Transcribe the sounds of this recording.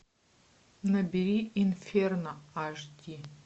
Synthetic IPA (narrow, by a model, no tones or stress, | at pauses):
nɐbʲiɾiinfʲernɐaʐd̪ʲi